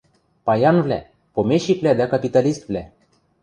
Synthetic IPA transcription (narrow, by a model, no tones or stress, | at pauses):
pɑjɑnvlʲæ̰ | pomeʃikvlʲæd̪ækɑpit̪ɑlist̪vlʲæ